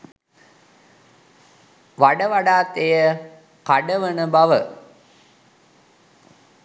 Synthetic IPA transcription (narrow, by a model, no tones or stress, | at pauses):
ʋaɖəʋaɖaːt̪ejə | kaɖəʋənəbaʋə